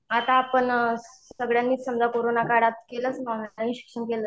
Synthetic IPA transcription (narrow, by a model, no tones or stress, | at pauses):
at̪aːpəɳsəɡɭjanmiːt̪səmd͡zakoɾonakaɽat̪keləsnawnaaɦĩɕi̥kʂəɳkelə